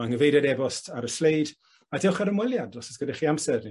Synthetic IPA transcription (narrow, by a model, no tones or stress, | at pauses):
aŋəvejdɛdɛvɔstʰaɾəslejd | adɪwχaɾəmwɛljadɔsɔ̥sɡ̥ədaχiamsɛrni